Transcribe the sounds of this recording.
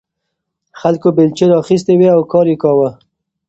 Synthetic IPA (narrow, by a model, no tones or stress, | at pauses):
xalkobelt͡ʃeɾɑxis̬t̪eweawkɑɾjekɑwə